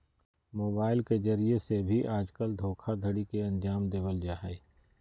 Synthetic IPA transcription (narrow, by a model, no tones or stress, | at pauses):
moːbaːɪlkezɐɾiesebʱiʔaːd͡ʒkəld̪ʱoːkʰad̪ʱəɽikeɐ̃nd͡ʒaːmd̪eːʋəld͡ʒaːɦɛ